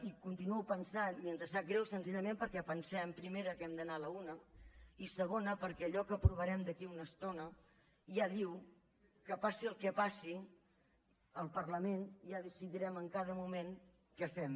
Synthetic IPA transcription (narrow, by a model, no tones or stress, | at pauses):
ikunt̪inuɛwpənsaniənzəsaɡɾɛwsənziʎəmempəɾkɛpənsɛəmpɾimeɾəkɛmd̪ənaələunəisəɣ̞onəpəɾkɛːʎɔkəpɾuβəɾɛmd̪əkiunəst̪onə | jaðiw | kəpasiəlˠkɛpasi | əlˠpərləmenjaðəsiðiɾɛməŋkað̞əmumen | kɛfɛm